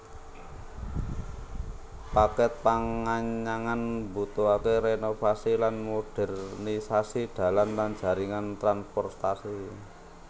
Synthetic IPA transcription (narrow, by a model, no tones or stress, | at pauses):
pakɛt̪̚paŋaɲaŋanbut̪oakeɾenofasilanmoɖ̥ɛ̤rnisasiɖ̪̥ä̤lanland̥ʒ̥ä̤ɾiŋant̪ɾanspɔrt̪asi